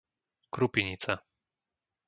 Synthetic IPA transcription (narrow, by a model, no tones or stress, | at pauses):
kɾupiɲit͡sa